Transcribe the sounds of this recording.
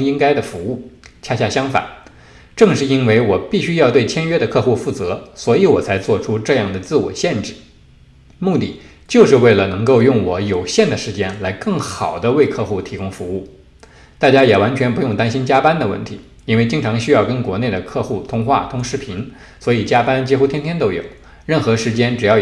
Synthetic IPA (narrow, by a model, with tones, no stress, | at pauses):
ŋi˥ŋka˥ɪd̪ə˨fu˧˥u˥˩t͡ɕʰja˥ɕja˥˩ɕjɑ˥ŋfa̰˨˩˦n | ʈ͡ʂɤ˥˧ŋʂɻ̩˥˩i˥nwe˥˩ɪwɔ˨˩pi˥˩ɕy˥jɑ˥˧ʊt̪we˥˩ɪt͡ɕʰjɛ˥nɥɛ˥d̪ə˨kʰɤ˥˧xu˥˧fu˥˩t͡sɤ˧˥swɔ˧˥i˧˥wɔ˨˩t͡sʰa˧˥ɪt͡swɔ˥˩ʈ͡ʂʰu˥ʈ͡ʂɤ˥˧jɑ˥˩ŋd̪ə˩t͡sɹ̩˥˩wɔ̰˨˩ɕjɛ˥˧nʈ͡ʂɻ̩˥˩ | mu˥˧t̪ḭ˥˩ | t͡ɕjo˥˧ʊʂɻ̩˥˧we˥˩ɪlə˩nɤ˧˥ŋko˥˧ʊjʊ˥˩ŋwɔ˧˩˥jo˨˩ʊɕjɛ˥˩nd̪ə˩ʂɻ̩˧˥t͡ɕjɛ˥˩nla˧˥ɪkɤ˥˩ŋxɑ˨˩ʊd̪ə˦we˥˧ɪkʰɤ˥˧xu˥˩t̪ʰi˧˥kʊ˥ŋfu˧˥u˥˩ | t̪a˥˩t͡ɕja˥jɛ˨˩wa˧˥nt͡ɕʰɥɛ˧˥npu˧˥jʊ˥˩ŋt̪a˥nɕi˥nt͡ɕja˥pa˥nd̪ə˨wə̰˥˩nt̪ʰi˧˥ | i˥nwe˥˩ɪt͡ɕi˥ŋʈ͡ʂʰɑ˧˥ŋɕy˥jɑ˥˩ʊkə˥nkwɔ˧˥ne˥˩ɪd̪ə˩kʰɤ˥˧xu˥˩t̪ʰʊ˥ŋxwa̰˥˩t̪ʰʊ˥ŋʂɻ̩˥˩pʰi˧˥n | swɔ˧˥i˨˩t͡ɕja˥pa˥nt͡ɕi˥xu˥t̪ʰjɛ˥nt̪ʰjɛ˥nt̪o˥ʊjo̰˨˩˦ʊ | ɻə˥˩nxɤ˧˥ʂɻ̩˧˥t͡ɕjɛ˥nʈ͡ʂɻ̩˨˩jɑ˥˩